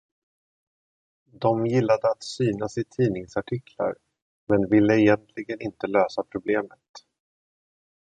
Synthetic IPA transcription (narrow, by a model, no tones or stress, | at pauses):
d̪ɔmjɪlːad̪əat̪syːnasɪt̪ʰiːnɪŋsaʈʰɪkʰla̰ɾ | mɛnvɪlːəɪjɛnt̪ʰlɪɡənɪnt̪əløːsapʰɾʊbleːmət̪